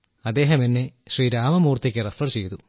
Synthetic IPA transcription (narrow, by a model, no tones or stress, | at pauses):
ɐd̪ːe̞ːɦɐminːeɕriːɾaːmɐmuːrt̪ikʲːɨrɐfɐrt͡ɕe̞jt̪u